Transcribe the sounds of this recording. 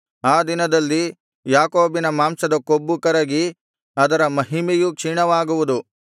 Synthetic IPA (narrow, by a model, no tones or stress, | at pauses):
aːd̪inɐd̪ɐlːi | jaːkoːbinɐmaːmsɐd̪ɐkobːukɐɾɐɡi | ɐd̪ɐɾɐmɐɦimejukʂiɳɐʋaːɡuʋud̪u